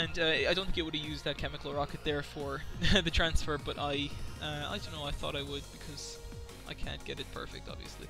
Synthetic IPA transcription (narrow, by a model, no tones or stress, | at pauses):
ɨ̃nʌaɪɾõʊ̃nθɪ̃ŋɪt̚wəɾɨjʉzðɨt̚kʰɛmɨkl̩ˠɹɑkɨt̪̚ðə˞fə˞ðɨtʰɹ̥æ̃nsfə˞bʌɾʔaɪʌa̰ɪdõʊ̃nːoʊaɪθɔ̰ɾaɪwəd̚bɨkʰʌz̥ | ʔaɪkʰæ̰̃nɡ̥ɛɾɨt̚pʰɜ̰˞fɪ̰k̚tɑ̰bvḭɨslḭ